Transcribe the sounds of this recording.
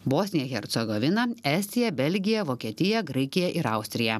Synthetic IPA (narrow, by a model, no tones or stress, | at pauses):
boːsʲnʲɪjɛxʲɛɾt̪sʲɛɡoːʋʲɪnɐɛːsʲt̪ʲɪjɛbʲɛlʲɡʲɪjɛʋoːkʲiɛt̪ʲɪjɛɡɾɐɪkʲɪjɛʔɪɾɐʊsʲt̪ʲɾʲɪjɛ